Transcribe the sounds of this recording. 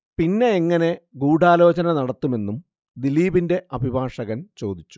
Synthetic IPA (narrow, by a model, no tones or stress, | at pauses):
pinːe̞ːŋːɐne̞ɡuːɖʱaːlo̞ːt͡ɕɐnɐnɐɽɐt̪ːume̞nːum | d̪iliːbinde̞ɐbʱibʱaːʂɐɣɐnt͡ɕo̞ːd̪it͡ɕːu̥